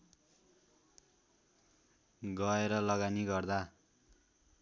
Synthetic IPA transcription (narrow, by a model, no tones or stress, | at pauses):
ɡʌeɾʌlʌɡaniɡʌrd̪a